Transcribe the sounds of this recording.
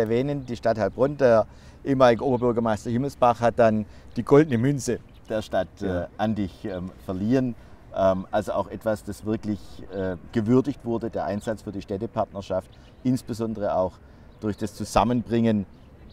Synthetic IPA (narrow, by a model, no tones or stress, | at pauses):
ɛɐvɛːnəndiːʃtathalb̥ʁɔndeːɐ | ʔeːəmaːlɪɡəʔoːbɐbʏɐɡɐmaɪstɐɦɪml̩sb̥aχhat̚d̥an | d̥iːɡɔldənəmʏnsə | d̥eːɐʃtatɛːʔandɪçɛmfɛɐliːʁən | ʔɛmʔalzoa̰ʊxʔɛtv̥asd̥asv̥ɪɐklɪçɛːɡ̥əvʏɐdɪçtv̥ʊɐdədeːɐʔaɪnzat͡sfyːɐdiːʃtɛtəpʰaɐtnɐʃaft | ʔɪnsb̥əzɔndəʁ̞əaʊx | d̥ʊɐçd̥ast͡suzamənbʁɪŋən